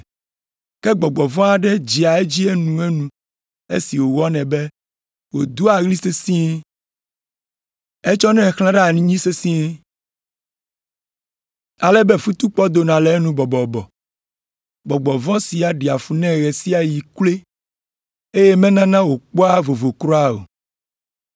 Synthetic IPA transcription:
kɛ˦ɡ͡bɔ˨ɡ͡bɔ˨vɔ̃˦a˨ɖɛ˦d͡ʑi˨a˨e˦d͡ʑi˦e˦nũ˨e˦nũ˨ | ḛ˦si˨wo˨wɔ˦nɛ̃˨bɛ˦ | wo˨d̪u˦a˨ɣli˦se˦sĩ˦ | e˦t͡ʃɔ˦nɛ̃˦xl̃ã˦ɖɛ˦a˨nĩ˦ɲĩ˦se˦sĩ˦ | a˨lɛ˦bɛ˦fu˦t̪u˦k͡pɔ˦d̪o˨nã˨lɛ˨˦nũ˦bɔ˨bɔ˨bɔ˨ | bɔ˨ɡ͡bɔ˨vɔ̃˦si˨a˨ɖi˨a˨fu˦nɛ̃˦ɣɛ˨si˦a˨ji˨kle˦ | e˦je˦mɛ̃˦nã˦nã˦wo˨k͡pɔ˦a˦vo˨vo˨kɾo˦a˦o̰˨

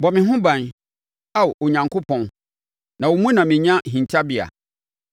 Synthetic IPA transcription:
bɔ˨mɪ̃˨ɦʊ̃˦bã˨n | a˦˨wo˨ɲã˨ŋkʰo˦pʰɔ̃˨n | nã˨wo˨mũ˦nã˨mɪ̃˨ɲã˦ɦĩ˨ɲt͡ɕʰa˦bi˦˨a̰˨

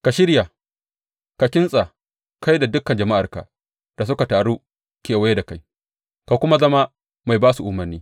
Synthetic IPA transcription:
ka˨ʃɪ˦ɾja˨ | ka˨kʲɪ˦nsʼa˨ | ka˦jda˨dʊ˦kːɐ˨nd͡ʒɐ˨ma˦ʔa˨rka̰˨ | d̥a˨s̬ʊ˦ka˨taː˨ɽuː˦ | kʲeː˨wa˦je˦da˨ka˦j | ka˨kʷʊ˦ma˦zɐ˦ma˦ | ma˨jbaː˦su˨ʔʊ˦mɐ˨rnːiː˦

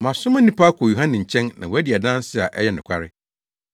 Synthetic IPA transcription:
mã˨sʊ˦mã˦nĩ˦pʰa˦kʰo˨ju˨ɦã˦nɪ̃˨ɲ̩˨t͡ɕʰɛ̃˦nnã˨wɔ˨æ˦di˨a˨dã˦sɪ˦a˨ʔɛ˦jɛ˦nʊ̃˨kʷʰa˦ɾɪ˦

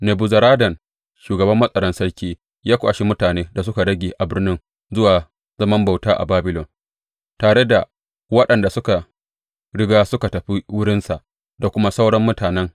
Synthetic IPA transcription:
ne˨bʊ˨zɐ˨ɾaː˦dɐ˨n | ʃuː˨ɡɐ˨bɐ˦mːɐ˦sʼɐ˨ɽɐ˦nsɐ˦ɽkʲiː˦ | jaː˦kʷaː˨ʃi˦mʊ˦taː˨neː˦da˨s̬ʊ˦ka˨ɽɐ˦ɡʲeː˨ʔa˨bɪ˦rnɪ˦n | zʊ˦waː˨ | zɐ˦mɐ˦mba˨wtaː˦ʔa̰˨baː˦bɪ˦lɔ˨n | taː˨ɽe˦da˨ | wɐ˦ɗɐ˨nda˨sʊ˦ka˨ | ɽɪ˦ɡaː˦sʊ˦ka˨tɐ˨ɸi˦wʊ˦ɽɪ˦nsa˨ʔ | da˨kʷʊ˦ma˦sa˦wɽɐ˦mːʊ˦taː˨nɛ˦ŋ

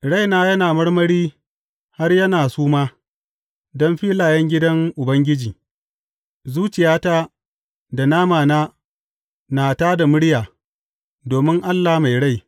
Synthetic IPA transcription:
ɽa˦˨jnaː˦jɐ˦naː˨mɐ˦ɽmɐ˦ɽiː˦ | ha˦rjɐ˦naː˨suː˦maː˦ | dɔ˦mɸiː˦laː˨jɛ˦ŋɡʲɪ˦dɐ˦ŋʔʊ˨bɐ˦ŋɡʲɪ˦d͡ʒiː˨ | zuː˦t͡ʃɪ˨jaː˦ta˦ | da˨naː˦maː˨naː˦ | naː˨taː˦da˨mʊ˦ɽɪ˦jaː˨ | doː˨mɪ˦ŋʔa˦lːaː˨ma˨jɽa˦˨j

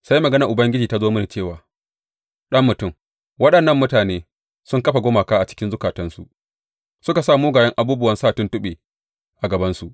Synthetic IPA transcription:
sa˦jmɐ˨ɡɐ˦nɐ˨ʔʊ˨bɐ˦ŋɡʲɪ˦d͡ʒiː˨ta˦zoː˦mɐ˦ni˨t͡ʃeː˦˨waː˨ | ɗɐ˦mːʊ˨tʊ˦˨m | wɐ˦ɗɐ˨nːɐ˦mːʊ˦taː˨neː˦ | sʊ˦ŋkɐ˦ɸa˨ɡʷoː˦maː˨kaː˦ʔa˨t͡ʃɪ̥˦kʲɪ˦nzʊ˦kaː˨tɐ˦nsṵ˨ʔ | sʊ˦ka˨saː˦˨moː˦ɡaː˨jɐ˦ŋʔa˨buː˦bʊ˦wɐ˦nsaː˦˨tʊ˦ntʊ˦ɓeː˨ | ʔa˨ɡɐ˨bɐ˦nsu˨ʔ

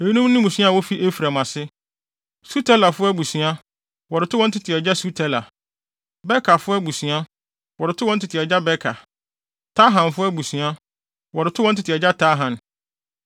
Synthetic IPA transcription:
e˨i˦nũ˦mnɪ̃˦mũ˨sĩ˦a˦˨wɔ˦fi˦ʔe˦fɾa˨mã˨sɪ˦ | su˦tʰɛ˦la˨fʊ˦æ˦bu˨sɥ̃a˦ | wɔ˨ɾɪ˨tʰʊ˦wɔ̃˦n̩˦tʰɪ˨tʰɪ˨ɛ˨d͡ʑa˦su˦tʰɛ˦la˨ | bɛ˦kʰa˨fʊ˦bu˨sũ˨a˦ | wɔ˨ɾɪ˨tʰʊ˦wɔ̃˦n̩˦tʰɪ˨tʰɪ˨ɛ˨d͡ʑa˦bɛ˦kʰa˨ | tʰa˦ɦã˨nfʊ˦æ˦bu˨sɥ̃a˦ | wɔ˨ɾɪ˨tʰʊ˦wɔ̃˦n̩˦tʰɪ˨tʰɪ˨ɛ˨d͡ʑa˦tʰa˦ɦã˨n

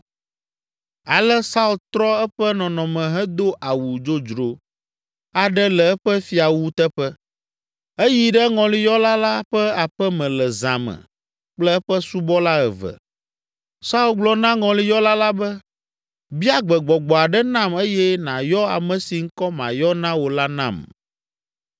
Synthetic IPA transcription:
a˨lɛ˦sa˦u˦lt̪ɾɔ˦ɛ˦ɸɛ˦nɔ̃˨nɔ̃˨mɛ̃˨ɦɛ˦d̪o˦ʔa˨wu˨d͡ʒo˦d͡ʒɾo˨ | a˨ɖɛ˦lɛ˨ɛ˦ɸɛ˦fi˨a˨wu˦t̪ɛ˦ɸɛ˦ | e˦ji˨ɖɛ˦ŋɔ̃˨li˦jɔ˦la˦la˦ɸɛ˦a˨ɸɛ˦mɛ̃˨lɛ˨zã̰˨mɛ̰˨ | k͡plɛ˦ɛ˦ɸɛ˦su˦bɔ˦la˦ɛ˨vɛ̰˨ | sa˦u˦lɡ͡blɔ˨nã˦ŋɔ̃˨li˦jɔ˦la˦la˦bɛ˦ | bi˦a˦ɡ͡bɛ˨ɡ͡bɔ˨ɡ͡bɔ˨a˨ɖɛ˦nã˦me˦jɛ˦nã̰˨jɔ˦a̰˨mɛ̃˨si˨ŋ̩˦kɔ˦mã̰˨jɔ˦nã˦wo˨la˦nã̰˨m

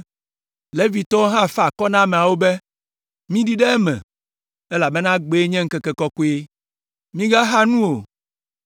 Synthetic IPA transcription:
le˦vi˨t̪ɔ˦o˦ɦã˦˨fa˨kɔ˦nã˦mɛ̃˨a˨wo˦bɛ˦ | mĩ˦ɖi˦ɖɛ˦ɛ˦mɛ̰̃˨ | ɛ˦la˨bɛ˦nã˦ɡ͡be˨˦ɲɛ̃˦ŋ̩˦kɛ˨kɛ˨kɔ˦ko˦e˦ | mĩ˦ɡa˦ɦa˦nũ˦o˨

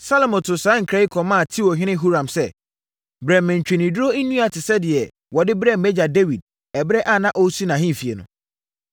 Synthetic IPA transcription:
sa˦lo˨mɔ̃˨tʰʊ˨saː˨˦ŋ̩˨kʰɾa˦i˦kʰɔ˨mã˦a˨tʰi˦wɔ˨ɦᶣɪ̃˦nɪ̃˦ɦu˦ɾã˨msɛ˦˨ | bɾɛ˨mːɛ̃˨ɲ˨t͡ɕᶣe˨nĩ˨dɾo˦i˦nũ˦a˨tʰɪ˨sɛ˦dɪ˨ɛ˨ | wɔ˨dɪ˦bɾɛ˦m̩˨mɛ˦d͡ʑa˨de˦wi˨d̚ | ɛ˨bɾɛ˦ʔa˦˨nã˦ʔɔ˦su˦nã˨ɦɪ̃˦m̩˨fi˨ɛ̰˨nʊ̰̃˨

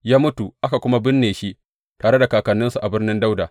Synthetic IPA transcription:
jaː˦mʊ˦tu˨ʔa˦ka˨kʷʊ˦ma˦bɪ˦nːeː˨ʃi˦ | taː˨ɽe˦da˨kaː˨kɐ˨nːɪ˦nsu˨ʔa˨bɪ˦rnɪ˦nda˦wdaː˨

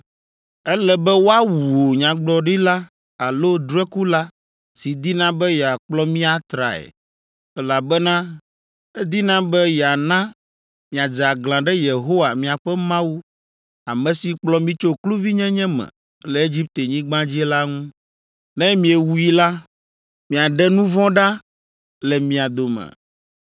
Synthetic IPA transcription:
ɛ˦lɛ˦˨bɛ˦wo˦a˦wuu˨o˨ɲã˨ɡ͡blɔ˨ɖi˦la˦ | a˨lo˦d̪u˦ɛ˦ku˦la˦ | si˨d̪i˦nã˦bɛ˦jɛ˨a˨k͡plɔ˦mĩ˦a˨t̪ɾa̰˨ɛ̰˨ | ɛ˦la˨bɛ˦nã˦ | ɛ˦d̪i˦nã˦bɛ˦ja˨nã˦ | mĩ˨a˨d͡zɛ˨a˨ɡlã˨ɖɛ˦je˨ɦo˦wa˨mĩ˨a˨ɸɛ˦mã˦wu˦ | a˨mɛ̃˨si˨k͡plɔ˦mĩ˦t͡ʃo˦klu˦vi˦ɲɛ̃˦ɲɛ̃˦mɛ̰̃˨ | lɛ˨e˦d͡ʑi˦p̚t̪e˨ɲĩ˦ɡ͡bã˦d͡ʑi˦ɛ˦la˦ŋũ˦ | nɛ̃˦mĩ˨e˨wu˦ji˦la˦ | mĩ˨a˨ɖɛ˦nũ˦vɔ̃˦ɖa˦ | lɛ˨mĩ˨a˨d̪o˨mɛ̰̃˨

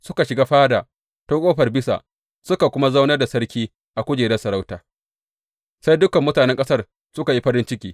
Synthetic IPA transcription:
sʊ˦ka˨ʃɪ˨ɡaː˦ɸaː˦daː˨ | toː˦kʷʼoː˦ɸɐ˨rbɪ˦sa̰˨ʔ | sʊ˦ka˨kʷʊ˦ma˦za˦wnɐ˦rda˨sɐ˦rkʲiː˦ | ʔa˨kʷʊ˦d͡ʒeː˨dɐ˦sɐ˨ɾa˦wtaː˨ | sa˦jdʊ˦kɐ˨mːʊ˦taː˨nɛ˦ŋkʼɐ˦sɐ˦r | sʊ˦ka˨ji˦ɸɐ˦ɾɪ˦nt͡ʃɪ˦kʲiː˦

